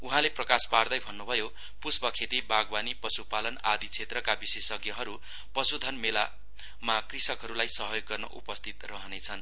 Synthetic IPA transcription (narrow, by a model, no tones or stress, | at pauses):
uɦãleprʌkaspard̪ʌjbʱʌnːubʱʌjo | pusbʌkʰet̪ibaɡbanipʌsupalʌnad̪it͡sʰet̪rʌkabisesʌɡjʌɦʌɾu | pʌsud̪ʱʌnmela | makrisʌkɦʌɾulajsʌɦjoɡːʌrnʌ̰ʔṵpʌst̪ʰit̪rʌɦʌnet͡sʰʌn